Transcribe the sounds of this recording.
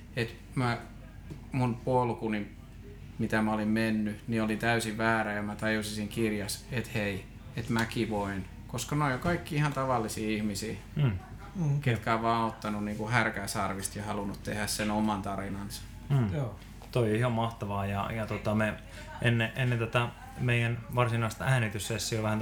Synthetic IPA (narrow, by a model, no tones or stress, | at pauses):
et̪ | mæ | munpuolukunim | mit̪æmæolimmenːyniolint̪æysiʋʋæːræjɑmæt̪ɑjusisiŋkirjɑset̪hei | et̪mækiʋoin | koskɑnoijokɑikːiihɑnt̪ɑʋɑlːisiːihmisiː | ket̪kæːʋʋɑːot̪ːɑnunniːŋkuhærkæisɑrʋist̪jɑhɑlunut̪t̪ehæssenomɑnt̪ɑrinɑnsɑ̥ | t̪oioihɑmmɑht̪ɑʋɑːjɑjɑt̪ot̪ɑme | ʔenːeʔenːent̪ot̪ɑ | meijænʋɑrsinɑˑist̪ɑæːnit̪yssesːioʋæhæn